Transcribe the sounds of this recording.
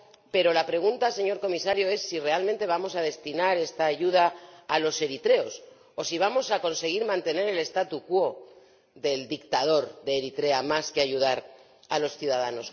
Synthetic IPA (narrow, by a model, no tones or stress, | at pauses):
pe̞ɾo̞lapɾe̞ɣ̞unt̪ase̞ɲo̞ɾko̞misaɾjoe̞sːire̞alment̪e̞β̞amo̞sað̞e̞st̪inaɾe̞st̪aːʝuð̞aːlo̞se̞ɾit̪ɾe̞o̞s | o̞siβ̞amo̞sako̞nse̞ɣ̞iɾmãnt̪e̞ne̞ɾe̞le̞st̪at̪ukwo̞ | ðe̞ld̪ikt̪að̞o̞ɾðe̞ːɾit̪ɾe̞amaske̞aʝuðaɾ | alo̞sθjuðað̞ano̞s